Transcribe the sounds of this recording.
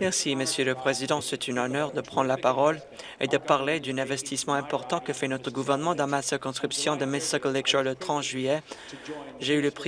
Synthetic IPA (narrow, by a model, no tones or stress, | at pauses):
mɛʁsiməsjøləpχezid̪ɑ̃sɛt̪ʰynɔnœʁd̪əpχɑ̃nd̪ʁlapaʁɔl | ḛd̪əpaʁled̪ynɛ̃vɛst̪ismɑ̃ɛ̃pɔʁt̪ɑ̃kəfɛnɔt̪χəɡuvɛʁnəmɑ̃d̪ɑ̃masiʁkɔ̃skχipsjɔ̃d̪əmɛsɔklɛkʒɔlət̪χɑ̃t̪ʒɥijɛ | ʒeyləpχ